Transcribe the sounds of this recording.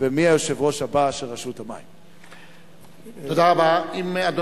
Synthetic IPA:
bemiajoʃevʁo̞ʃhabaʃelʁaʃut̪ama̰im | otd̪aʁabaimad̪o

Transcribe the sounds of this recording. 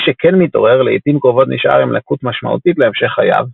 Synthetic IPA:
ʃekʰenmit̪o̞̰ʁe̞ʁleitimkʁovo̞t̪niʃʔa̰ʁimlakut̪maʃma̰ʔṵt̪it̪leemʃe̞χaja̰v

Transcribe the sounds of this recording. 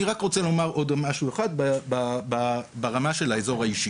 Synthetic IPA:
iʁakʁot͡selo̞maʁʔo̞dmaʃueχad̪̚babababaʁamaʃe̞laezo̞ʁhaiʃi

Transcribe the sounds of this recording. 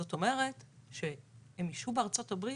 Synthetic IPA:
o̞to̞me̞ʁe̞tʃe̞hemiʃubeaʁt͡so̞tabʁi

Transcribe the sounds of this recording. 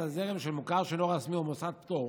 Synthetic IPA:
azeʁemʃelmukaʁʃeloʁasmiomosad̪pt̪oʁ

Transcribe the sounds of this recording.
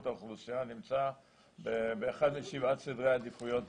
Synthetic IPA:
t̪oχlusianimt͡sa | bebeːχad̪miʃivat̪sid̪ʁejad̪ifujo̞t

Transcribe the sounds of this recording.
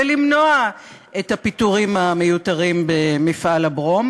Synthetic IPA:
elimno̞a | ʔethapituʁimame̞jutaʁimbemifʔalabʁo̞m

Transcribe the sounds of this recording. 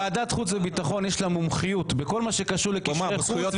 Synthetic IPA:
ad̪at̪χut͡svebit̪aχo̞njeʃlamumχijut̪beko̞lmaʃekaʃuʁlekujjo

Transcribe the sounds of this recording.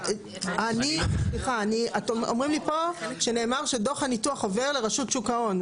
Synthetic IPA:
anisliχaːniatʔomʁimlipo̞ʃe̞ne̞ːmaʁʃe̞do̞χanituaχove̞ʁle̞ʁaʃutʃukao̞n

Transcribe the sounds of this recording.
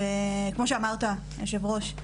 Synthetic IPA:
ekmo̞ʃeamaʁt̪a | jaʃevʁoʃ

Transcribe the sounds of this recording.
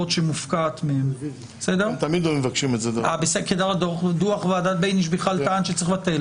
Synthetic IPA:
otʃemufkaːt̪meem | sedeʁt̪amid̪lomevakʃimezedabeseked̪aʁadod̪uaχveadat̪̚bejniʃ̬beχalt̪aanʃet͡sʁiχbat̪el

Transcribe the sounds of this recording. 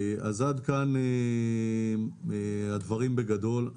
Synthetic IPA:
ʔa̰zad̪kane | had̪vaʁimbe̞ɡad̪o̞l

